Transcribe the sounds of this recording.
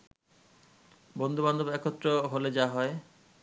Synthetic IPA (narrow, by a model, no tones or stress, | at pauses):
bond̪uband̪ʱobɛkʰot̪ːɾoɦoled͡ʑaɦɔe